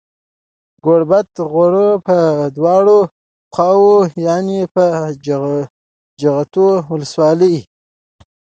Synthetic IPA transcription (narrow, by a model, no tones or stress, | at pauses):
ɡoɽbat̪ɣoɽəpəd̪wɑɽo | xɑwojɑnepə | d͡ʒaɣat̪owləswɑləj